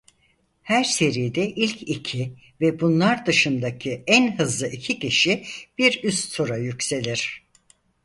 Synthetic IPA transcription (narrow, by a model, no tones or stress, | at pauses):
hæɾse̞ɾijd̪ɛʔilʲcʰicʰi | vɛbunlˠaɾd̪ɯʃɯnd̪acʰiænɦɯzlˠɯʔicʰicʰiʃib̥iɾyst̪t̪ʰuɾajycse̞lʲiɾ̥